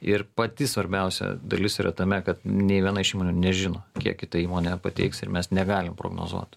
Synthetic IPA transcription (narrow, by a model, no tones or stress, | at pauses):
ɪrpɐt̪ʲɪsʋɐɾʲbʲɛʊsʲɛ̰d̪ɐ̰lʲɪsiːɾʔɐ̰t̪ɐmʲɛkɐt̪nʲɛɪʋʲiɛnɐɪʃiːmoːnʲuːnʲɛʒʲɪnoːkʲiɛkkʲɪt̪ɐiːmoːnʲɛpɐt̪ʲɛ̰ɪksɪɾmʲɛsnʲɛɡɑːlʲɪmpɾo̰ːɡno̰ːzṵɔt̪